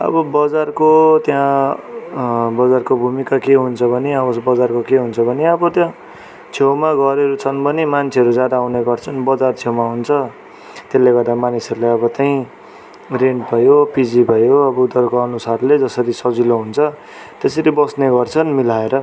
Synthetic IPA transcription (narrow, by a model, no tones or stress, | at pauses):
ʌ̰bʌbʌd͡zarkot̪jã | bʌd͡zarkobʱumikakeɦunt͡sʰʌbʱʌneʌbʌsbʌd͡zarkokeɦunt͡sʰʌbʱʌneʌbʌt̪jã | t͡sʰewmaɡʌɾeɾut͡sʰʌnbʱʌnemant͡sʰeʌɾud͡zad̪aːwneɡʌrt͡sʰʌnbʌd͡zart͡sʰewmaɦunt͡sʰʌ | t̪elːeɡʌrd̪amanisʌɾulajʌbʌt͡saj̃ | renʈbʱʌjopid͡zibʱʌjoʌbʌud̪ʌrkoʌnusarled͡zʌsʌɾisʌd͡ziloɦunt͡sʰʌ | t̪esʌɾibʌsneɡʌrt͡sʰʌnmilaeɾʌ